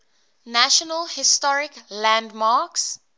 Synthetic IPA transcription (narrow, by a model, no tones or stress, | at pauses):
næʃɔnəlhɪstɔɹɪklæ̃ndmaːks